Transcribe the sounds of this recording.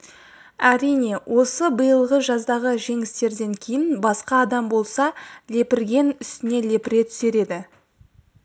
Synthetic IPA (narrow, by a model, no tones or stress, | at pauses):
æɾijne̞wʔo̞səbəjəlˠʁəʒɑzd̪ɑʁəʒe̞ŋɪst̪e̞ɾd̪e̞ŋkʲʰejɪnbɑsqɑːd̪ɑmbo̞lˠsɑle̞pɪɾɡʲe̞nʏst̪ɪne̞le̞pɪɾe̞t̪ʰʏ̥se̞ɾe̞d̪ɪ